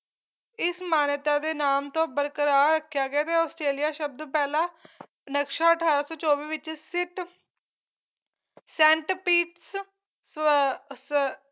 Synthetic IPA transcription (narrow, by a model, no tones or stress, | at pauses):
ɪsmaːnt̪aːd̪eːnaːmt̪õːbəɾkəɾaːɾəkʰːjaːɡɪaːt̪eɔːsʈɾeːlijaːʃəb̚d̪õːpɛːlãː | nəkʃaːəʈʰaːɾaːsɔːt͡ʃɔːʋiːʋɪt͡ʃsɪʈ | sɛ̃ːɳʈpiːʈs | s